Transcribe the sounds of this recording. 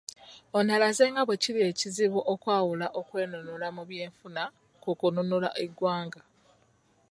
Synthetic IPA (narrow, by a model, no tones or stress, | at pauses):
o̞nalaze̞ːŋɡaβwe̞cilie̞ciziβuʔokwaːwulaʔo̞kwe̞ːnonulamuβje̞ːɱfuna | kukunonola̰ʔeɡwaːŋɡa